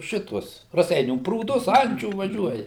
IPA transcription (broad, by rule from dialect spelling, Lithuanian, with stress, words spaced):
ˈʃʲɪtuɔs rɐˈsʲɛɪnʲuː pruːˈdʊs ˈɐnʲt͡ʃʲuː ʋɐˈʒʲuɔjɛ